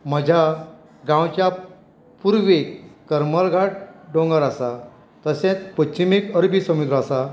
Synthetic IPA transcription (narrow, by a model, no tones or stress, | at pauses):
m̤əd͡ʑʱja | ɡãwt͡ɕja | puɾʋekkːəɾməlɡʱaʈ̚ɖõŋɡəɾasa | t̪əsẽt͡spətɕimikəɾbʱisəmut̪ɾəasa